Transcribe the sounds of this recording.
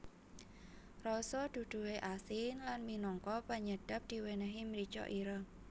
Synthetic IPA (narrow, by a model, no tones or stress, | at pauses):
rɔsɔd̪̥ṳd̪̥ṳɦeʔasɪnlanminɔŋkɔpəɲəd̥a̤p̚d̪̥i̤wenəɦimɾit͡ʃɔ̰ʔiɾə